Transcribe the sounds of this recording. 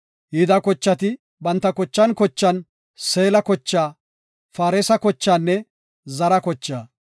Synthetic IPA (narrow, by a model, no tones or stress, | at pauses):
hiːd̪ɐkɔt͡ʃːɐt̪ɪ | bɐnt̪ːɐkɔt͡ʃːɐnkɔt͡ʃːɐn | seːlɐkɔt͡ʃːaː | faːɾɛsɐkɔt͡ʃːaːnːɛ | zɐɾɐkɔt͡ʃːaː